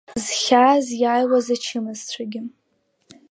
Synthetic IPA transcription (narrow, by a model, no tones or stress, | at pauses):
zχʲazjaːjwazat͡ʃʰɨmɨzt͡ɕʷʰaɡʲɪ